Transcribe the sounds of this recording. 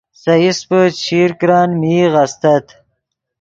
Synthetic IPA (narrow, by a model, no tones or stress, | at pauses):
sɐispət͡ɕʰiːɾkɾɑːnmiːɣast̪ɐt̪